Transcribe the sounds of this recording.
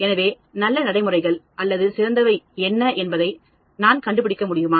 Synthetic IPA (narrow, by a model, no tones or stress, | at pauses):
ɛnɐʋeː | nɐlːɐnɐɽɐɪmɯrɐɪɣɐɭʔɐlːɐðɯsɪɾɐnd̪ɐʋɐɪɛnːɐʔɛnbɐðɐɪ | naːnkɐɳɖɯp̬ɪɽɪkːɐmʊɽɪjɯmaː